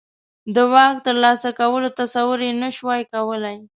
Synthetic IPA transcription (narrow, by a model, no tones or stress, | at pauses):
d̪əwɑk̚t̪əɾlɑsakawəlot̪asawʊɾjenəʃwɑjkawəlaj